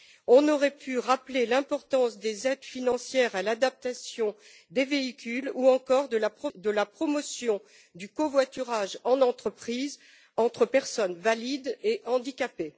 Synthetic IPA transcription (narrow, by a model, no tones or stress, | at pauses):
ɔ̃nɔʁɛpʰyʁaplelɛ̃pɔʁt̪ɑ̃sd̪ezɛd̪finɑ̃sjɛʁalad̪ap̚t̪asjɔ̃ | d̪eveikʲyluɑ̃kɔʁd̪əlapχɔd̪əlapχɔmɔsjɔ̃ | d̪ykovwat̪yʁaʒɑ̃nɑ̃t̪χəpχiz | ɑ̃t̪χəpɛʁsɔnvalid̪eʔɑ̃d̪ikʲape